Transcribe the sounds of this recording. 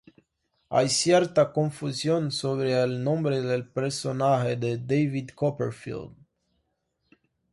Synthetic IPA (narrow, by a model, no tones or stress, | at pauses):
a̰jsjert̪akoɱfuzjonsoβɾeːlnombɾed̪elpeɾsonaɦed̪ed̪ejvid̪kopḛɾfḭld̪